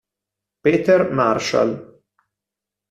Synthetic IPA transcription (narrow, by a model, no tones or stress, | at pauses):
peːt̪ɛɾmaɾʃa̰l